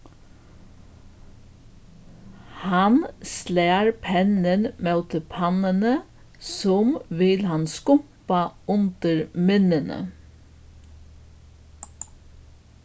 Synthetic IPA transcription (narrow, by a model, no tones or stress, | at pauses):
hɑnsleːɹpʰɛnənmæʉt̪əpʰɑnənə | sɔmʋɪlhɑnskʊpɑʉnd̪̥əɹmʏnənə̰